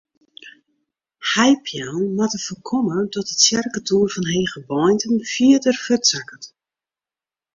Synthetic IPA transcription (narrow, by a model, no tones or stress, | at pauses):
hɛjpʰjanmatəfərkʰɔmətɔtətsjɛrkətuːrfɔnɦeːɣəbɔjntənfiədərføtsakət